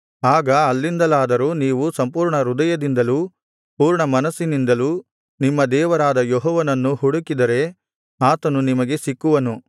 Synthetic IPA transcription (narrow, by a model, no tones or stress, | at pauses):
aːɡɐːlːind̪ɐlaːd̪ɐɾuːniːʋusɐmpuːɾɳɐɾud̪ɐjɐd̪ind̪ɐluː | puːɾɳɐmɐnɐsːinind̪ɐluː | nimːɐd̪ɛːʋɐɾaːd̪ɐjɔɦɔːʋɐnɐnːuhuɽukid̪ɐɾe̞ | aːt̪ɐnunimɐɡe̞sikːuʋɐnu